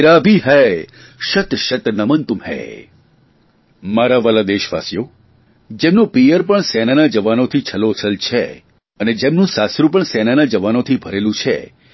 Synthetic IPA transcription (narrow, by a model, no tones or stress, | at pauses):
ɾabʱiɦɛ | ʃət̪ʃət̪nəmənt̪umɦḛ | maɾaʋalad̪eʃʋa̰sjo | d͡ʒemnũpijəɾpəɳsɛnanad͡ʒəʋanot̪ʰit͡ʃʰəlot͡ʃʰəlt͡ʃʰḛ | əned͡ʒemnũsasɾũp̬əɳsɛnanad͡ʒəʋanot̪ʰibʱəɾelũt͡ʃʰḛ